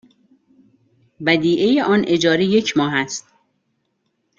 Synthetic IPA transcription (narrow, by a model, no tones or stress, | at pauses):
bæd̪iːʔejeʔɒːnʔe̞d͡ʒɒːɾije̞cʰmɒːɦæst̪̚